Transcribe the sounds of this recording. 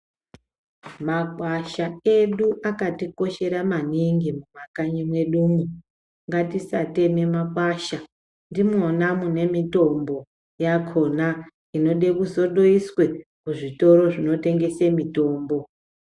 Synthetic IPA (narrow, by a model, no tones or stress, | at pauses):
makwaʃaeɗuʔakatiko̞ʃe̞ɾamaniŋɡimumakaɲimwe̞ɗumu | ŋɡatisate̞me̞makwaʃa | ndimwonamune̞mito̞mbo̞ | jakʰo̞na | ino̞ɗe̞kuzo̞ɗo̞iswe̞kuʐito̞ɾo̞ʐino̞teŋɡe̞semito̞ːmbo̞